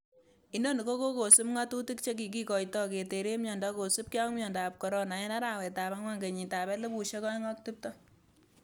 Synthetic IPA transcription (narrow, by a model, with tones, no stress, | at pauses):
i˦no˦ni˨ko˦ko˦ko˨su˦pŋa˦tu˦ti˦kt͡ʃe˦k̬i˨k̬i˨kɔ˨jtɔ˦ke˨te˨ɾe˦mjɔː˨nda˦ko˨su˦p̚ki˦a˦ŋmjɔ˨ndaː˨p̚kɔ˨ɾɔ˦na˨jɛ˦na˦ɾa˨wɛ˨ta˨βa˦ŋwa˦ŋɡe˨ɲi˨ta˨bɛ˦le˦bu˨ʃe˦kɔ˦jŋɔ˦k̚ti˦p̚tɔ˦